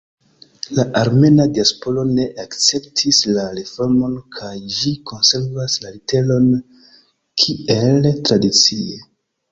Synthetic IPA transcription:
laʔaɾme̞nadiaspo̞lo̞ne̞ʔakt͡se̞ptʰislaɾefo̞ɾmo̞nkʰajʒikʰo̞nse̞ɾvaslalite̞lo̞n | kʰie̞ltɾadit͡sie

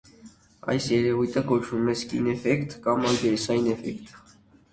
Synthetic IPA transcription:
ɑ̰jsjɛɾɛvujt̪ʰəkɔt͡ʃ̪ʰumɛskḭnɛfɛkt̪kɑmɑlɡ̪ɛɾɛsɑjinɛfɛ̰kt̪

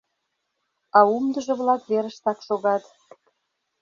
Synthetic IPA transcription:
ɑumd̪ə̆ʒɤ̆βlɑkβeɾə̆ʃt̪ɑkʃoɣɑt̪

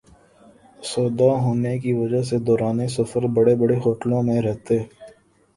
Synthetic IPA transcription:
sɔːd̪aɦoːnekiʋɐd͡ʒəɦs̬ed̪ɔːɾaːnesɐfəɾbɐɽebəɽeɦoːʈlõmẽɾɛɦt̪e

